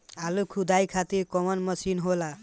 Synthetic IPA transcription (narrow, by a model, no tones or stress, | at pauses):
alukʰud̪ajkʰat̪iɾkɔmʌnmʌsinɦola